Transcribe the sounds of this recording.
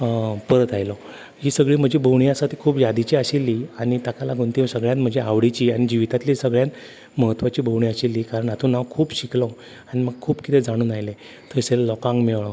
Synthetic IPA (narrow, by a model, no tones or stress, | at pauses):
pəɾət̪ajlɔ | ɦiːsəɡɭiːm̤əd͡ʑibʱəʋɳiasat̪ikʰuːpjad̪it͡ɕiːəɕilːiaɽ̃it̪akalaɡũnt̪isəɡɭjat̪m̤əd͡ʑeaʋɽit͡ɕiːaɽ̃id͡ʑiʋit̪at̪lisəɡɭjat̪ | məɦət̪ʋat͡ɕiːbʱəʋɳ̃iəɕilːiːkaɾəɳat̪ũːnaʋkʰuːpɕiklə | aɽ̃iməɡ̚kʰuːpkit̪ed͡zaɽ̃uːnajle | t̪ʰəsellɔkãŋɡmeʋɭɔ